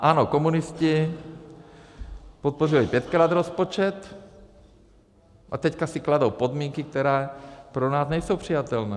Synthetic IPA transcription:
ʔanokomunɪscɪ | pot̪̚porilipjɛt̪kɾaːd̪ɾospot͡ʃɛt̪ | ʔat̪ɛckasɪkladowpod̪miːŋkik̚t̪ɛɾɛːpɾonaːsnɛjsowpr̝̥ijat̪ɛlnɛː

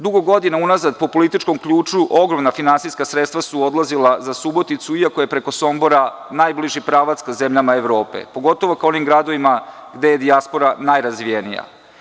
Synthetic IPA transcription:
d̪uɡo̞ɡo̞d̪inaunazad̪po̞po̞list̪it͡ʃko̞mkʎuːt͡ʃuʔo̞ɡɾo̞mnafinansiskasɾet̪st̪ʋasuo̞d̪lazilˠazasubo̞t̪it̪suiako̞je̞pɾe̞ko̞so̞mbo̞ɾa | najbliʒipɾaːʋat̪skazemʎamaeʋɾo̞ːpḛpo̞ɡo̞t̪o̞ʋo̞kao̞nimɡɾad̪o̞ʋimaɡd̪e̞je̞d̪iaspo̞ɾanajɾazʋijenḭja̰

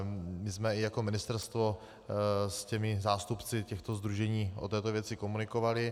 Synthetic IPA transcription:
mɪzmɛɪjako̞mɪnɪst̪ɛɾst̪vo | scɛmɪzaːst̪upt͡sɪcɛxt̪ozd̪ɾuʒɛɲiːʔot̪ɛːt̪ovjɛt͡sɪko̞munɪkovalɪ

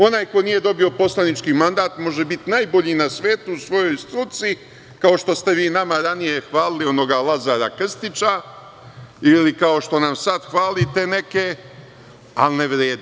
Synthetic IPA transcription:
o̞naːjko̞niːje̞d̪o̞bio̞po̞slanit͡ʃkimand̪aːt̪mo̞ʒe̞bit̪naːjbo̞ʎiːnasʋe̞ːt̪uusʋo̞jo̞jst̪ɾut̪si | kao̞ʃt̪o̞st̪e̞ʋiːnamaɾanije̞xʋaːlilio̞no̞ɡalˠazaːɾakr̩st̪it͡ʃa | ilikao̞ʃt̪o̞namsad̪xʋaːlit̪e̞ne̞ke̞ | a̰lneʋɾeːd̪i

